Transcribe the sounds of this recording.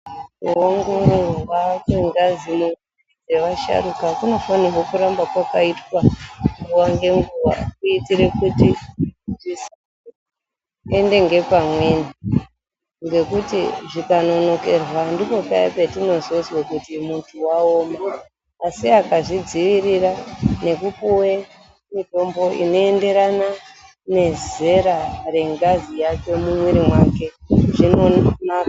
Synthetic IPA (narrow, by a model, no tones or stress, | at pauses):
uwaŋɡuʋakeŋɡazimuŋ | id͡ze̞ʋaʃa̰rukakuno̞fanirwokuɾambakwakaitwaŋɡuʋaŋɡe̞ŋɡuʋa̰kuitiɾe̞kutiʐis | ende̞ŋɡe̞pamwe̞na | ŋɡe̞kutiʐikano̞no̞ke̞rwandipo̞paipe̞tino̞zozwakutimuntʰuwaoːmaː | siakaʐid͡ziʋirirane̞kupuwe | mito̞mbo̞ʔḭno̞e̞nde̞ɾana | ne̞ze̞ɾare̞ŋɡazijat͡ʃo̞mumwiɾimwake̞ʐinonaka